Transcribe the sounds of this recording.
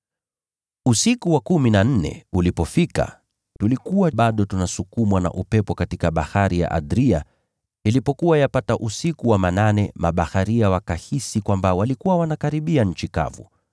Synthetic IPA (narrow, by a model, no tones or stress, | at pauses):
usikuwakuminan̩nɛ̰ulipɔfika̰ | tulikuwaɓaɗɔtunasukumwana̰ʔupɛpɔkatikaɓahaɾija̰ʔa̰ɗɾia | ilipɔkuwajapataʔusikuwamananɛmaɓahaɾiawakahisikwambawalikuwawanakaɾiɓiaɲ̩t͡ʃika̰vṵ